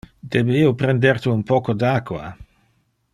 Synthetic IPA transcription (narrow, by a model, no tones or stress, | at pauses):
d̪ebeiːopɾend̪eɾt̪uumpɔːkod̪akwa̰